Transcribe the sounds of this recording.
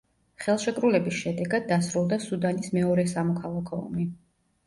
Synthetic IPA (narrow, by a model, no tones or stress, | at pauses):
χɛlˠʃɛkʼɾulɛbisʃɛd̪ɛɡad̪̚ːasɾulˠd̪asud̪anismɛɔɾɛsamɔkʰalˠakʰɔɔ̰mi